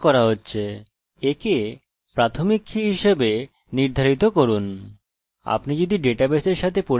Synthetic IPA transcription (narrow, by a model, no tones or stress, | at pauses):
kɔɾaɦotːɕʰe | eke | pɾat̪ʰomikʰːiɦiʃebe | niɾd̪ʱaɾit̪̬okoɾun | a̰pnid͡ʑod̪iɖeʈabeseɾʃat̪ʰepo